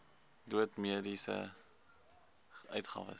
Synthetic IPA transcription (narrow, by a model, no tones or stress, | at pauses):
duətmiədisə̰ | œɥtχɑ̰ːvə̰s